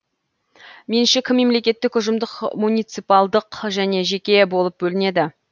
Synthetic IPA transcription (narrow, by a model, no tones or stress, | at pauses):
me̞nʃɪkʲʰɪmːe̞mle̞kʲe̞t̪ːɪkʊʒəmd̪əqmunijt̪sɨpɑlˠd̪əqʒæne̞ʒe̞kʲe̞bo̞lˠəp̚bɵlɪne̞d̪ɪ